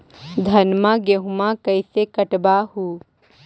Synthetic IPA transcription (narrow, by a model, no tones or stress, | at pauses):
d̪ʱɐnmãɡeɦmãkɐɪsekəʈbaɦuː